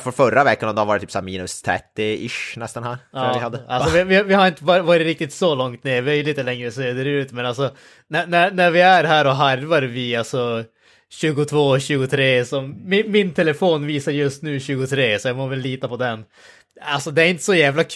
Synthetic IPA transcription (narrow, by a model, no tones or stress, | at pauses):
fœɾfœɾavɛkːanɔmd̪ɛhavɑːɾt̪ʰːyːpsæːɾmiːnɵst̪ʰɾɛ̰t̪ːɪɪʂnɛst̪anhæːɾɑːvɪhad̪ːəalsɔvɪvɪvɪhaɾɪnt̪əvɑːɾɪvɑːɾɪt̪ɾɪk̚t̪ɪt̪sɔlɔŋt̪neːvœjliːt̪əlɛŋːɾəsɔseːd̪ɛɾʉ̟ːt̪mɛnalsɔ | nænæɾnæɾvɪæɾɦæːɾɔɦaɾvɑɾvɪalsɔ | ɕʉ̟ːɡʊt̪ʰvoːɕʉ̟ːɡʊt̪ʰɾeːsɔmːɪmɪnt̪ʰɛlɛfoːnviːsaɾjɵst̪nʉ̟ːɕʉ̟ːɡʊt̪ʰɾeːsɔjɑːɡmovɛlːiːt̪apɔd̪ɛn | alsɔd̪ɛæɾɪnt̪ə̥sɔjæːvlakʰ